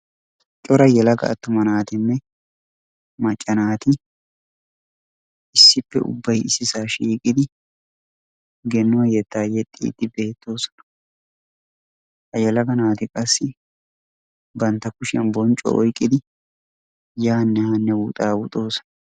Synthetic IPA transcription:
t͡ʃʼɔɾɐjɛlɐɡɐ̰ːt̪ːʊmɐnaːt̪ɪnːɛ | mɐt͡ʃʼːɐnaːt̪ɪ | ɪsːɪpːɛ̰ʔʊ̰bːɐjɪsɪsaːʃiːkʼɪd̪ɪ | ɡɛnːoːjɛt̪ːaːjɛt̪ʼːḭːd̪ːɪbe̞ːt̪ːo̞ːsɐ̥nɐ̥ | hɐjɛlɐɡɐnaːt̪ɪkʼɐsːɪ | bɐnt̪ːɐkʊʃɛnbɔnt͡ʃʼɔ̰ʔɔjkʼːɪd̪ɪ | jaːnːɛhɐnːɛwut̪ʼaːwʊt̪ʼo̞ːsɐ̥nɐ

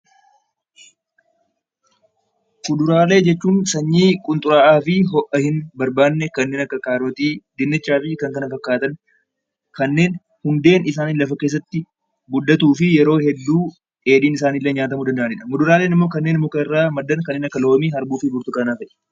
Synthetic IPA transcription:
mʊd̪ʊɾaːle̞ːd͡ʒɛt͡ʃːuːnsɐɲːiːkʼʊnt̪ʼʊɾaːʔaːfɪɦɔʔɐhɪnbɐɾbaːnːɛkɐnːe̞ːnɐkːɐkaːɾoːt̪iːd̪ɪnːɪt͡ʃːaːfɪkɐŋkɐnɐfɐkːaːt̪ɐn | kɐnːe̞ːn | hʊnd̪e̞ːnɪsaːniːnlɐfɐke̞ːs̬ːɐt̪ːɪ | bʊd̪ːɐt̪uːfɪjɛɾo̞ːhɛd̪ːuː | ʔe̞ːᶑiːnɪsaːniːlːɛɲaːt̪̬ɐmuːd̪ɐnd̪ɐʔɐnɪᶑɐmʊd̪ʊɾaːle̞ːnɪmːo̞ːkɐnːe̞ːnɪmːoːkɐrːaːmɐd̪ːɐnkɐnːeːnɐkːɐloːmiːhɐɾbuːfɪbʊɾt̪ʊkʼɐnaːfɛᶑɛ̥

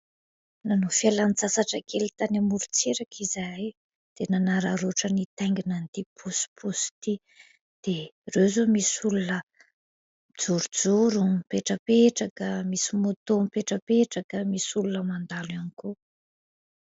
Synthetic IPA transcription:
nanofialant͡sasaʈ͡ʂakʰelit̪anamuɾut͡seɾakʰizaj | d̪̥enanaɾaɾoʈ͡ʂənit̪aŋɡinant̪ipʰusi̥pʰust̪i | d̪̥erewzomisulunə | d͡zuɾud͡zuɾupeʈ͡ʂəpeʈ͡ʂakəmisimut̪ompeʈ͡ʂəpeʈ͡ʂakəmisulunəmand̪alaniku

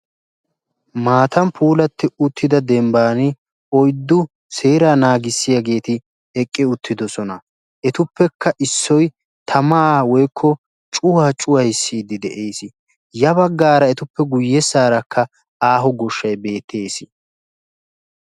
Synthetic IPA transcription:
maːt̪ɐmpʰuːlɐt̪ːɪʊt̪ːɪd̪ɐd̪ɛmbaːnɪ | ɔjd̪ːʊ | seːɾaːnaːɡɪsːɪjɐɡe̞ːt̪ɪ | ɛkʼːɪʊt̪ʰːɪd̪ɔsɔnɐ | ʔɛt̪ʊpːɛkʰːɐʔɪsːɔj | t̪ʰɐmaːwɔjkʰːɔ | t͡ʃʼʊwaːt͡ʃʼʊwɐjsːiːd̪ɪd̪ɛʔeːsɪ | jɐβɐɡːaːɾɐɛt̪ʊpːɛɡʊjːɛsːaːɾɐkʰːɐ | aːɦɔɡɔʃːɐjbe̞ːt̪ʰːe̞ːsɪ̥

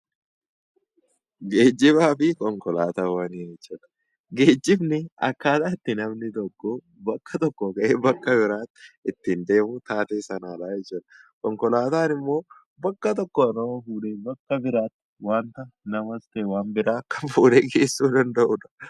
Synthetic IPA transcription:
ɡe̞ːd͡ʒːɪbaːfɪkɔŋkɔlaːt̪aːwaniːnɛt͡ʃːɐᶑ̪ɐ̥ | ɡe̞ːd͡ʒːɪbnɪɐ̰kːaːt̪aːɪt̪ːɪnɐmnɪt̪ɔkːo | bɐkːɐt̪ɔkːɔkɐʔeːbɐkːɐbɪɾaːt̪ːɪt̪ːɪnd̪e̞ːmʊt̪aːt̪eːsɐnaːᶑaːjɛt͡ʃːuᶑ̪ɐ̥kɔŋkɔlaːt̪aːnɪmːo̞ː | bɐkːɐt̪ɔkːɔɐnofuːᶑeːbɐkːɐbɪɾaːt̪ːɪ̥waːnt̪ɐnɐmɐst̪eːwaːnbɪɾaːkːɐfuːleɡeːsːuːd̪ɐnd̪ɐʔʊᶑɐ̥

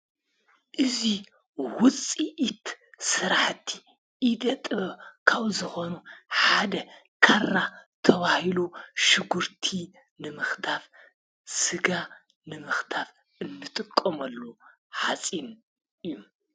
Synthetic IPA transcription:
ʔɨzi | wʊt͡sʼiʔːt̪sɨɾaħt̪ʰːi̥ | ʔid̪ɐt̪ʼɨβɐkʰaβzɨxonuħad̪ɐ | kʰarːat̪ʰɐβahiluʃɨɡuɾt̪ʰi | nɨmɨxt̪ʰaf | sɨɡa | nɨmɨxt̪ʰaf | ɨnːɨt̪ʼɨkʼːomɐlːu | ħat͡sʼin | ɨjːum

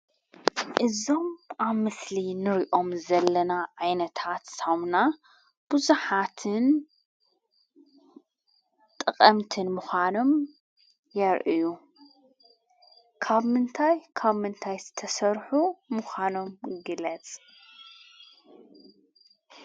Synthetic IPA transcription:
ʔɨzo̞mʔaβmɨslinɨɾiʔo̞mzɐlːɐnaʕajnɐt̪ʰat̪samna | b̥uzuħat̪ʰɨn | t̪ʼɨqʼɐmt̪ʰɨnmuxʷano̞m | jɐɾʔɨju | kʰaβmɨnt̪ʰajkʰaβmɨnt̪ʰajzɨt̪ʰɐsɐɾħumʊxʷano̞mɡɨlɐt͡sʼ

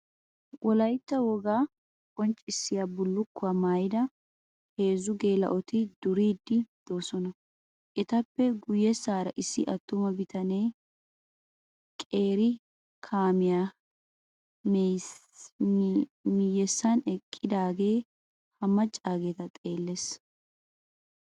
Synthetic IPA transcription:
wɔlɐjt̪ːɐwɔɡaː | kʼɔnt͡ʃʼɪsːɪjabʊlːʊkːʊwɐmaːjɪd̪ɐ | he̞ːzʊɡe̞ːlɐ̰ʔɔt̪ɪd̪ʊɾiːd̪ːɪd̪̥o̞ːsɔnɐ | ʔɛt̪ɐpːɛɡʊjːɛsaːɾɐʔɪsːɪ̰ʔɐt̪ːʊmɐbɪt̪ɐneː | kʼe̞ːɾɪ | kʰaːmɪja | mɪjːɛsːɐnɛkʼːɪd̪aːɡe̞ː | hɐmɐt͡ʃʼːaːɡe̞ːt̪ɐt̪ʼe̞ːlːes

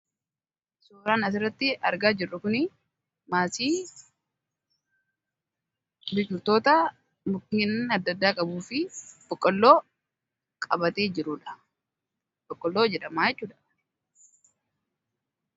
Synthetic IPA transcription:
soːɾaːnɐs̬ɪrːɐt̪ːɪɐɾɡaːd͡ʒɪrːʊkʊnɪ | maːsiː | bɪt͡ʃʊɾt̪oːt̪ɐ | mʊkːiːnɐd̪ːɐd̪ːaːkʼɐbuːfɪb̥ɔkʼːɔlːo̞ː | kʼɐbɐt̪eːd͡ʒɪɾʊᶑɐ̥ | bɔkʼːɔlːo̞ːd͡ʒɛᶑɐmaːjɛt͡ʃːuːᶑ̪ɐ̥

